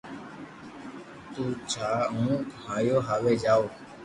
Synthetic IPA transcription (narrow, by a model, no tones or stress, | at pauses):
t̪uːt͡ʃʰaːɦũːkhaːjoːɦaːleːd͡ʒaːoː